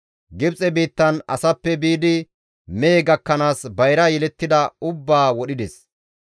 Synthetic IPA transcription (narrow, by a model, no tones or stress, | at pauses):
ɡɪbt͡sʼɛbiːt̪ːɐnɐsɐpːɛbiːd̪ɪ | meːɡɐkːɐnaːsbɐjɾɐjɛlɛt̪ːɪd̪ɐʊbːaːwɔɗɪd̪ɛs